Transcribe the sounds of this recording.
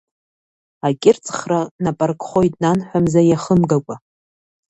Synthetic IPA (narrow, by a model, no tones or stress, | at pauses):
akʲʼɪrt͡sʼχranapʼarkʼχo̞jtʼnanħʷᶣamzajaχəmɡakʷʼa